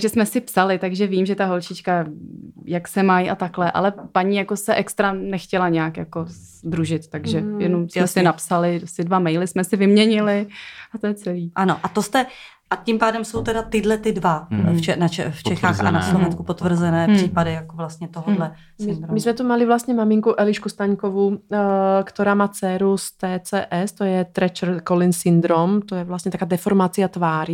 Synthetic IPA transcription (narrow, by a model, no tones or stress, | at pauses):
ɡʒɛsmɛsɪpsalɪt̪aɡʒɛviːmʒɛt̪aɦo̞lt͡ʃɪt͡ʃka | jaksɛmajʔat̪aklɛʔa̰lɛpaɲijako̞sɛʔɛkst̪ɾanɛxcɛlaɲɛakja̰ko̞z | d̪ɾuʒɪt̪t̪aɡʒɛjɛnomsmɛsɪnapsalɪsɪdvamɛjlɪsmɛsɪvɪmɲɛɲɪlɪʔat̪ojɛt͡sɛliːʔanoʔat̪ost̪ɛ | ʔacimpaːdɛmsowt̪ɛdat̪ɪdlɛt̪ɪdvaɛnat͡ʃɛft͡ʃɛxaːxa̰naslovɛnskupot̪vr̩zɛnɛːpr̥iːpadɪjakovlast̪ɲɛt̪oɦodlɛ | smɪndɾomɪsmɛt̪umalɪvlast̪ɲɛmamɪŋkuʔɛlɪʃkust̪aɲkovu | kt̪oɾaːmaːt͡sɛːɾust̪ɛːt͡sɛːʔɛst̪ojɛt̪ɾɛt͡ʃrkolɪnsɪnd̪ɾomt̪ojɛvlast̪ɲɛt̪akaːdɛfoɾmat͡sɪat̪vaːɾ